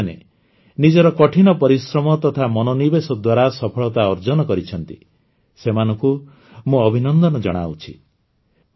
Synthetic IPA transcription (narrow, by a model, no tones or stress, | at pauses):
nḛ | nid͡ʒɔɾɔkɔʈʰinɔpɔɾisɾɔmɔt̪ɔt̪ʰamɔnonibesɔd̪waɾasɔpʰɔɭɔt̪aɔɾd͡ʒɔnɔkɔɾit͡ʃʰɔnt̪i | semanɔ̃ŋku | mũɔbʱinɔnd̪ɔnɔd͡ʒɔɽ̃a̰ut͡ʃʰi